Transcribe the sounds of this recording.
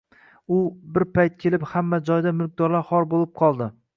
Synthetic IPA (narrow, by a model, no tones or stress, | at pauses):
ʊbɪɾpʰajt̪̚kʲʰe̞lɪphamːad͡ʒɒjd̪amʊlˠk̚ʲd̪ɒɾlaɾhɒɾbolˠɪp̚qʰɒlˠd̪ɪ